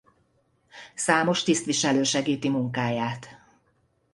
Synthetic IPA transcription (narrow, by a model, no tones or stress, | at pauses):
saːmo̞ʃt̪ist̪ʋiʃɛløːʃɛɡiːt̪imuŋkaːjaːt̪